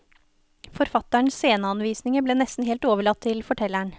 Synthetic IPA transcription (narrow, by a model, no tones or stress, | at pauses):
fɔɾfɑt̪æɳseːnəɑnʋiːsnɪŋəbleːnɛst̪n̩heːlt̪oːʋəɭɑt̪ʰːɪlfɔʈʰɛlæɳ